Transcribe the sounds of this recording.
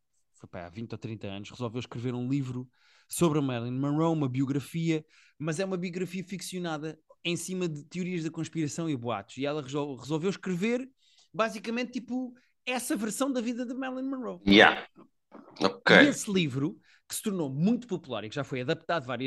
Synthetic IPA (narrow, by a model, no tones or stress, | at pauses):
fojpa̰a̰vĩnt̪ɔt̪ɾĩnt̪ɐɐ̰nuʃʁɨzɔlˠvewʃkɾɨveɾũlˠivɾu | soβɾɐmɛɾlˠĩnmɐʁɐwumɐβiuɣɾɐfiɐ | mɐzɛumɐβiuɣɾɐfiɐfiksiunaðɐẽj̃simɐðɨt̪juɾiɐʒðɐkõʃpiɾɐsɐ̃w̃iɐβwa̰t̪u̥ʃiɛlˠɐʁɨzʁɨzɔlˠvewʃkɾɨveɾ | bazikɐmẽnt̪ːipu | ɛsɐvɨɾsɐ̃w̃d̪ɐviðɐðɐmɛɾlˠinmɐʁɐwjɛ̰ | okejeslˠivɾu | kɨ̥sɨ̥t̪uɾnomũj̃t̪u̥pupulˠa̰ɾikʒ̥afojɐðɐp̚t̪aðvaɾiɐ